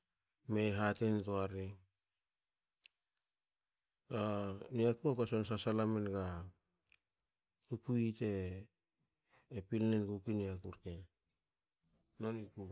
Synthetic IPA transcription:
meɦatenitoaɾi | ɡaniakuapasons̬asalamenɡa | kukuite̞ | pilnenɡukiniakuɾke | noniku

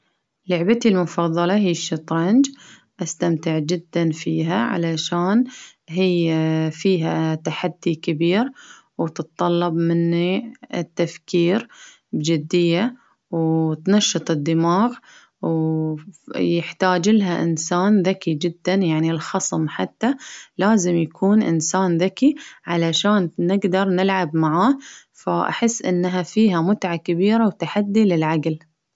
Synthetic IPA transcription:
lʊʕbat̪ilmʊfɑðˤːɑlɑɦiːʃːɑt̪ˤɾɑnd͡ʒ | ʔast̪amt̪ɪʕd͡ʒɪd̪ːanfiːɦaʕa̰laʃaːnɦijfiːɦat̪aħad̪ːikɪbiːɾ | wt̪ɨt̪t̪ˤːɑlːɑbmɪnːit̪ːafkiːɾ | bd͡ʒɪd̪ːɪjːa | wt̪naʃːɨt̪ˤɨd̪ːɪmaːɣ | w | jɪħt̪aːd͡ʒɪlɦaʔɪ̰nsaːnðakid͡ʒɪd̪ːanjaʕnilxɑsˤmħat̪ːalaːzɪmjakʰuːnʔɪ̰nsaːnðakiʕalaʃaːnnɪɡd̪ɑɾˤnɪlʕabmaʕaː | faʔa̰ħɪsːʔɪnːɦafiːɦamʊt̪ʕakabiːɾawt̪aħad̪ːilɪlʕaɡl

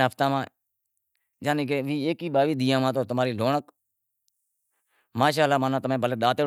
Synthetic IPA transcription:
əpʰt̪ãːmãː | d͡ʒaːniːkeːʋiːeːkiːɓaːʋiːd̪ɪjãːmãːt̪oːt̪ʊmaːɾiːloːɳək | maːʃ̬aːlːaːmaːnãːt̪ʊmẽːbəleːɗaːt̪eː

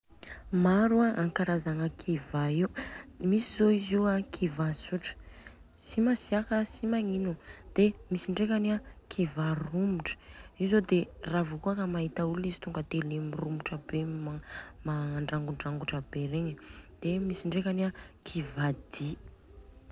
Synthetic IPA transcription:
maɾuaaŋkaɾazaŋəkʰivaiumisizoiziakʰivasuʈ͡ʂə̥ | simasiakəsimaŋinud̪̥emisiɳɖ͡ʐekʲanakʰivarumuʈ͡ʂə̥izod̪eravokuakəmaɦit̪aulizi̥t̪uŋɡət̪elemirumuʈ͡ʂəbemamaɳɖ͡ʐaŋɡuɳɖ͡ʐaŋɡuʈ͡ʂəbeɾeɲəd̪̥emisiɳɖ͡ʐekanakʰivad̪̥i

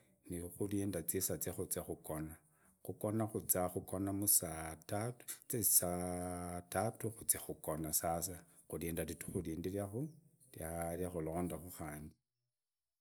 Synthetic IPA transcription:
nixuliːndat͡sisat͡sexut͡sexuko̞na | xuko̞naxut͡saxuko̞namusatatt͡sesa | tatuxut͡sexuko̞nasas̬a | xuliːndalitu̥xuliːndilaxu | tjaljaxulo̞ːndaxuxaːndi

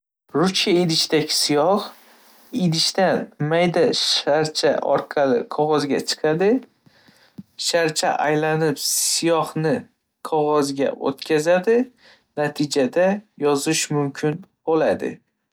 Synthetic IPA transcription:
ɾʊt͡ʃaid̪ɪʃt̪aɡʲɪ̥sɪjɒh | id̪ɪʃt̪anmajd̪aʃaɾt͡ʃʰa̰ʔɒ̰ɾqʰɑlɪ̰qʰɒʁɒzɡʲa̰t͡ʃʰɨ̥qʰɑd̪ɪ | ʃaɾt͡ʃʰa̰ʔajlanɪpsɪjɒhnɪ | qʰɒʁɒzɡʲa̰o̰t̪kʲʰazad̪ɪ | nat̪ʰɪd͡ʒad̪ajɒzɪʃmʊmkʲʰɪnbolad̪ɪ̰

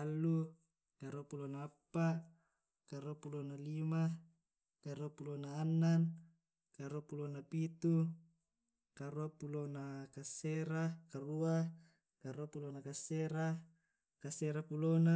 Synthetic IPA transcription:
alːu | kaɾuapulonaːpːa | kaɾuapulonalima | kaɾuapulonaːnːan | kaɾuapulonapit̪u | kaɾuapulonakasːeɾakarua | kaɾuapulonakasːeɾa | kaseɾapulona

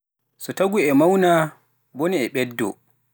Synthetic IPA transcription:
sɔtaɡuɛmawna | boniɛɓɛdːɔ̰

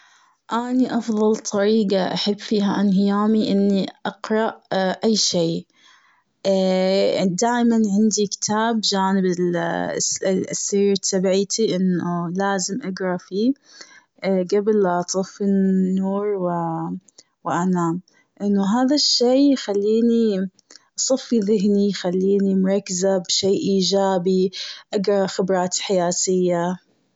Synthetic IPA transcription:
ʔaniʔɑfðˤɑlt̪ˤʰɑɾiːɡaʔa̰ħɪbːfiːɦaʔanhɪjaːmiʔɪnːiʔɑqɾˤɑʔʔajːʃeː | d̪aːʔmanʕɪnd̪ikɪ̥t̪ʰaːbd͡ʒaːnɪbɪl | sːaiːɾt̪ʰːabʕiːt̪ʰiʔɪnːʊlaːzɪmʔaɡɾˤɑfiː | ɡabɪlt̪ˤɨfɪnːuːɾˤwɪ | wɪʔanaːm | ʔɪnːʊɦaːðaʃːeːjxalːiːni | ʔɑsˤɑfːiðɪɦnijxalːiːnimʊɾˤɑkːzabʃeːʔiːd͡ʒaːbiʔaɡɾˤɑxɪbɾˤɑːt̪ħajaːt̪ɪjːa

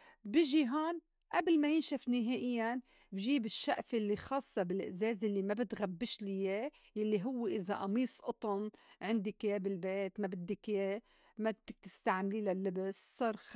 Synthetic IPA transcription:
bɪʒiɦoːn | ʔablmajɪnʃafnɪɦeːʔɪjːan | bʒiːbɪʃːaʔfjalːixɑːsˤːɑbɪlʔɪʔzeːzʔɪlːimabɪt̪ɣabːɪʃlɪjejalːiɦʊwːeʔɪzaʔɑmiːsˤʔɑt̪ˤʊnʕɪnd̪ikjeːbɪlbeːt̪mabɪd̪ːikje | mat̪ːɪk̚t̪ɪ̥st̪aʕmlilalːɪbɪssˤɑːɾˤ

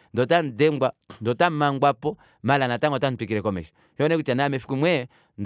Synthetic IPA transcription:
ndɔtan̩dɛŋɡwandɔtamaŋɡwapɔ | malanataŋɡɔtan̩pikiɾɛkɔmɛ̰ʃi̥ | jɔnɛkutanamɛfikumwɛ | n

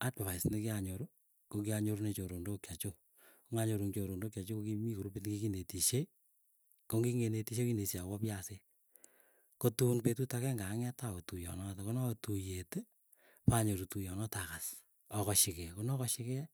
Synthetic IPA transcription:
ataβasnikɪaɲoɾo | kokɪaɲoɾunet͡ʃoɾondokjat͡ʃo | koŋaɲoɾuŋt͡ʃoɾondokjat͡ʃokokimikoɾupitnkikinetiʃe | koŋɡiŋenetiʃekinesiawɔpjase | kotunpetutakɛŋɡaŋɛtaotujɔ̰nɔtakonɔtujete | paɲoɾutujɔnɔtakas | ɔkɔʃɪkɛkonɔkɔʃɪkɛ

